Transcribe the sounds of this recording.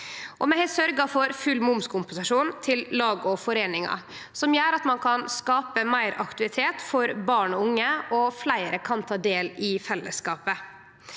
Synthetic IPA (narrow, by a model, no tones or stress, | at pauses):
ʔɔmɛhɛsœɾɡɑfɔɾfʉlmʊmskʰʊmpʊsɪʂuːnt̪ʰɪllɑːɡɔfɔɾeːnɪŋɑ̰ | sɔmjøːɾɑt̪mɑnkʰɑnskɑːpəmæɪɾɑ̰kt̪ʉɪt̪ʰeːt̪fɔɾbɑːɳɔʊŋːəɔflæɪɾəkʰɑnt̪ʰɑːd̪eːlɪfɛlːəskɑːpə